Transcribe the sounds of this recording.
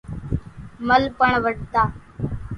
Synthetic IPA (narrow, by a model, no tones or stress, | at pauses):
məlpəɳʋəʈ̚t̪aː